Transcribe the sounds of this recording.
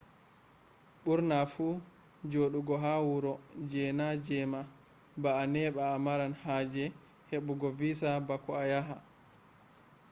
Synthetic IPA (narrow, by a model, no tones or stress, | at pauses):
ɓuɾnafu | d͡ʒoɗuɡɔɦawuɾɔd͡ʒɛnad͡ʒɛma | baːnɛɓaːmaɾanhad͡ʒɛ | heɓuɡɔvisabakɔajaɦa